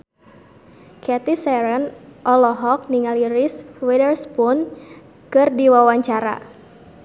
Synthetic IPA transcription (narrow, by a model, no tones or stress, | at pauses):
kʰɛt̪isɛɾənʔɔlɔɦɔk̚niŋaliɾiswɛdərspun | kɨrdiwawaɲt͡ʃaɾa̰